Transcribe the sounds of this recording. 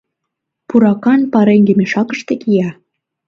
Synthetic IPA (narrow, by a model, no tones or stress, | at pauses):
puɾɑkɑnpɑɾeŋɡemeʃɑkə̥̆ʃt̪ĕkijɑ